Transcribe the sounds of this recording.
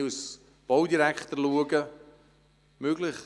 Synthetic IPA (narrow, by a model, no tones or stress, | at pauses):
us | b̥owdiɾækχt̪ərluəɡə | møɡlɪχ